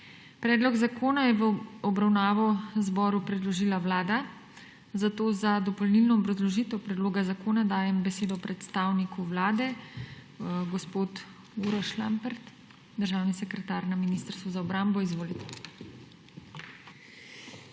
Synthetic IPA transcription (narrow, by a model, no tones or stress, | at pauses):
pɾɛːd̪lɔɡzakoːnajɛʋɔbɾawnaːʋɔzbɔːɾupɾɛd̪lɔʒiːlaʋlaːd̪a | zat̪oːzad̪ɔpɔlnilnɔːbɾazlɔʒiːt̪ɛwpɾɛd̪loːɡazakoːnad̪aːjɛmbɛseːd̪ɔpɾɛt̪st̪aːwnikuʋlaːd̪ɛ | ɡɔspoːt̪ | uɾɔʃlambɛɾt̪ | d̪əɾʒaːwnisɛkɾɛt̪aːɾnaminist̪əɾst̪ʋuzaɔbɾambɔizʋoːlit̪ɛ̥